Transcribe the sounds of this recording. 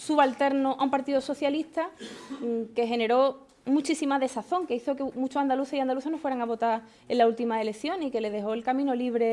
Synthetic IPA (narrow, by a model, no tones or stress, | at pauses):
suβalt̪e̞ɾnoʔaumpaɾt̪iðoso̞θjaliht̪a | ke̞ɦe̞ne̞ɾo̞ | mut͡ʃisimaðe̞saθo̞ŋkeiθokemũt͡ʃoand̪aluθeiand̪aluθenofweɾaŋaβo̞t̪a | elault̪imaele̞θjo̞nike̞le̞ðe̞ɦo̞elkamĩnoliβ̞ɾe̞